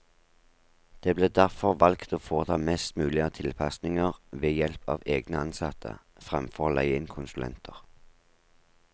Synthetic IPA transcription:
d̪̥eːbleːd̪æʁfɔʁʋɑlkt̪oːfoːʁət̪ʰɑːmɛst̪mʉːlɪət̪ʰɪlpʰɑsnɪŋəʁʋeːjɛlpʰɑ̰ːʋeːɡnəɑnsɑt̪ʰə̰ | fʁɛmfɔʁlæ̰ɪɪnkʰʊnsʉlɛ̰nt̪ʰəʁ

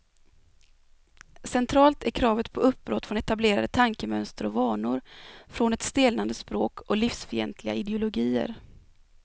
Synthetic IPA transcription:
sɛnt̪ʰɾɑːlt̪æɾkʰɾɑːvət̪pʰɔɵp̚ːbɾɔt̪ːfɾɔnɛt̪ableːɾad̪ət̪ʰaŋkəmœnst̪əɾɔvɑːɳʊɾfɾɔnɛt̪st̪eːlnand̪əspɾoːkɔliːfsfœɾɛ̰nt̪ʰlɪɡaɪd̪ɛʊlʊɡiːə̰ɾ

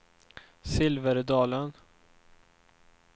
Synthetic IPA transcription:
sɪlvəɾd̪ɑːlən

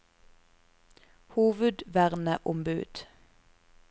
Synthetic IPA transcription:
huːʋʉd̪ʋæʁnəʔʊmbʉːd̪̥

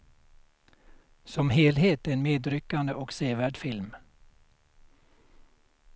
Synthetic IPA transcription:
sɔmɦeːlɦeːt̪ɛnmeːd̪ɾʏkːand̪əʔɔkseːvæːɖfɪlm

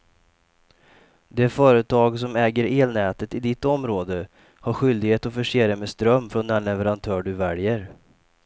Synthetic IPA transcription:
d̪ɛfœːɾət̪ʰɑːɡs̬ɔmɛːɡəɾeːlnɛːt̪ət̪ɪd̪ɪt̪ːɔmɾoːd̪ə | haɾɧʏld̪ɪɡheːt̪ɔfœʂeːɾəmɛst̪ɾœmːfɾɔnːæɳɭɛvəɾant̪ʰœːɖɵvɛljəɾ

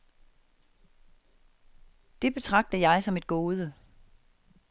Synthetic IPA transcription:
d̥e̝b̥e̝t͡sʰʁɑ̈ɡ̥̚d̥əjɑ̈ɪsɒ̽me̝d̥ɡ̥o̝ːð̞ˠə

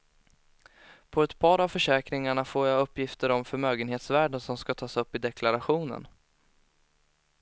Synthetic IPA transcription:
pʰɔɛt̪pʰɑːɾavfœʂɛːkɾɪŋaɳafoːɾjaɵpːjɪft̪əɾɔmfœɾmøːɡənheːt̪svæːɖənsɔmskat̪ʰɑːsɵpːɪd̪ɛkʰlaɾaɧuːnə̰n

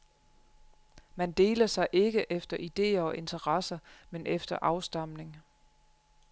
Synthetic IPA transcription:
mænd̥e̝̰ːlɐsɑ̈ɪʔe̝ɡ̥əʔefd̥ɐʔid̥e̝̰ːɐɒ̽ʔe̝nt͡sʰɐʁɑsɐmenʔefd̥ɐʔɑ̈ʊsd̥ɑ̈m̰ne̝ŋ

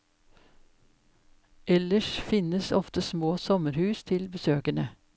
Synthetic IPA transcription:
ʔɛləʃfɪnəsɔft̪əsmoːsɔməɾhʉːst̪ʰɪlbəsøːkəɳə

